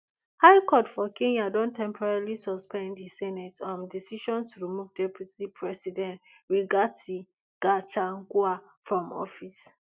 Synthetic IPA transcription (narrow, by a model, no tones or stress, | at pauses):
haɪjkɔtfɔkẽnadɔ̃ntɛ̃mpʰɔɹailisɔspɛ̃ndhisɛnɛtɔ̃ndisiʃɔ̃ntuɹimuvdɛpʰjutipʰɹɛsidɛ̃nt | ɹiɡati | ɡ̥at͡ʃaŋɡua | fɹɔ̃mɔ̰fis